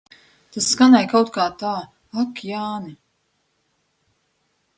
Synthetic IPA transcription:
t̪asskanajkawt̪kaːt̪aː | akjaːni

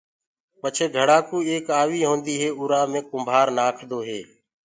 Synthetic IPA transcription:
pət͡ʃʰeːɡʱəɽaːkuːeːkaːʋiːɦõːnd̪iːɦeːʊɾaːmẽːkʊmbʱaːɾnaːkʰd̪oːɦeː

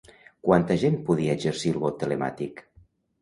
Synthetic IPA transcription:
kwant̪əʒempuðiəd͡ʒəɾsilˠβot̪ːəlema̰t̪ik

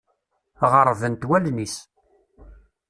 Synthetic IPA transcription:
ʁəɾˤvənt̪wælnis

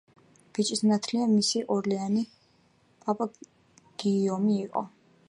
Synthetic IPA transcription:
b̥it͡ʃʼisnat̪ʰliamisiʔɔɾliani | pʼapʼa | ɡ̥iɔmiːqʼɔ̰

